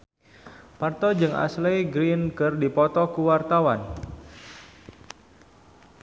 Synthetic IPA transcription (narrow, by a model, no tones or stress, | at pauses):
part̪ɔd͡ʒɨŋʔa̰slejɡɾinkɨrdipɔt̪ɔkuwart̪awan